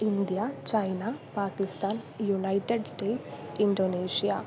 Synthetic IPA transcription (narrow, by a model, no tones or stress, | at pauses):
ind̪ijaːt͡ʃɐjnapaːkist̪aːnjunɐjʈeɖsʈeːʈiɳɖoːneːʃijaː